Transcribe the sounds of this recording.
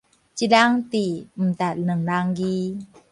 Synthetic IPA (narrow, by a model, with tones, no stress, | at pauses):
t͡ɕi˨da˦ŋt̪i˨m̩˨t̪a˨˩t̚nɨ˨ŋna˧ŋɡi˦